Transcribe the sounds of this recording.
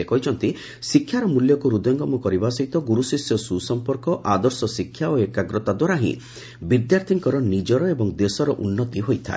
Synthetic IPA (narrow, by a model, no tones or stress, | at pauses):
ekɔɦit͡ʃʰɔnt̪i | sikʰːjaɾɔmuljɔkuɾud̪ɔŋɡɔmɔkɔɾibasɔit̪ɔɡuɾusisjɔsusɔmpɔɾkɔʔad̪ɔɾsɔsikʰːjaoekaɡɾɔt̪ad̪waɾaɦḭ̃ | bid̪jaɾt̪ʰiŋkɔɾɔnid͡ʒɔɾɔebɔŋd̪esɔɾɔʔunːɔt̪iɦojt̪ʰa̰e